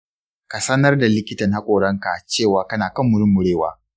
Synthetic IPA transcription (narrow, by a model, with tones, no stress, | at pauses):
ka˨sɐ˦nɐ˦rda˨lɪ˦kʲɪ˦tɐ˨nha˦kʷʼoː˨ɽɐ˦ŋka˨t͡ʃeː˦˨waː˨˦kɐ˦naː˨kɐ˦mːʊ˨ɽɪ˦mːʊ˨ɽeː˦˨wa̰ː˦